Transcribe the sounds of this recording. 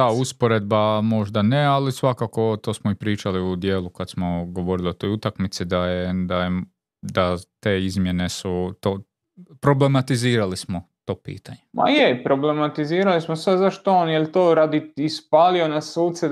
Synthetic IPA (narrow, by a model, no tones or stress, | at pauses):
d̪auspoɾed̪̚bamo̞ʒd̪anealisʋakako̞t̪oːsmoipɾiːt͡ʃaliud̪jeːlˠukad̪smoɡo̞ʋo̞ɾiliot̪o̞jut̪akmit̪sid̪ajed̪aje | d̪at̪e̞ːizmje̞ne̞sut̪oː | pɾo̞ble̞mat̪iziːɾalismot̪o̞ːpḭːt̪aɲema̰jepɾoblemat̪iziːɾalismosad̪zaʃt̪oonjelʲt̪oːɾaːd̪iispaːlionasuːt̪sɛ